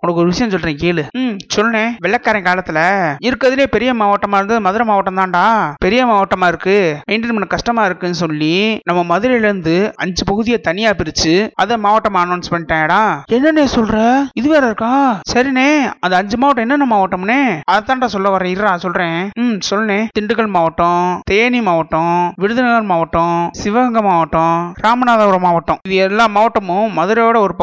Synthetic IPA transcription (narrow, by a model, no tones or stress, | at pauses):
ɔkʊnɐkːɔɾɯʋɪʂɐjɐ̃sɔlːɾẽːkiːlɯsɔlːnẽːʋɛɭɐkːaːɾjɐ̃ŋkaːlɐt̪ːɪlɐɪɾɯkːɐðɪleːpɛɾɪjɐmaːʋɐʈːɐmaːɾnd̪ɯmɐðɯɾɐmaːʋɐʈːɐmt̪ãːɳɖaːpɛɾɪjɐmaːʋɐʈːɐmaːɪɾɯkːɯmeːɳɖɪnmɐnːɐkːɐʂʈɐmaːɪɾɯkːɯnːɯsɔlːinɐmːɐmɐðɯɾɐɪɾɯnd̪ɯɐɲd͡ʒɯpɐɣɯðɪjɐt̪ɐnɪjaːpɪɾɯt͡ʃːɯɐðɛmaːʋɐʈːɐmaːnɐːnspɐɳɪʈːẽːɽãːɛnːɐneːsɔlɾɛɪðɯʋeːɾɐɾɯkːaːsɐɾineːɐnd̪ɐɐɲd͡ʒɯmaːʋɐʈːɛnːɐnːɐmaːʋɐʈːɐmneːɐðɐt̪ːaːnɾaːsɔlːɐʋɐɾɐ̃ɪɾaːsɔlɾẽːsɔlːɐneːt̪ɪɳɖɯkːɐɭmaːʋɐʈːõt̪eːnimaːʋɐʈːɔ̃ʋɪɽɯðɐnɐɣɐɾmaːʋɐʈːɔ̃sɪʋɐɣɐŋɡɐmaːʋɐʈːɔ̃ɾaːmɐnaːðɐɐɾɐmaːʋɐʈːɔ̃ɪðɯɛlːãːmaːʋɐʈːɐmʊ̃mɐðɯɾɐoːɽɐɔɾɯpɐ